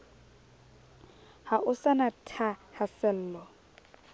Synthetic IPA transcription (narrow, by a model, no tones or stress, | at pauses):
haʔʊsanatʰahasɛl̩ːlɔ